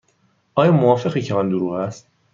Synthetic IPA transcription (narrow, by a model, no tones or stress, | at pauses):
ʔɒːjɒːmoɒːfe̞ɣiːcʰeɒnd̪oɾuːɣæst̪̚